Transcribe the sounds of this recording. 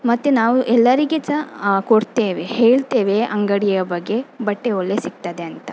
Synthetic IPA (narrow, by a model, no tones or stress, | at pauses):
mɐt̪ːunaːʋuʔɛlːɐɾiɡet͡ʃɐkoɽt̪eːʋeheːɭt̪eːʋe̞ʔɐŋɡɐɽijjɐbɐɡːe̞bɐʈːeolːe̞siɡ̚t̪ɐd̪e̞ɐnt̪ɐ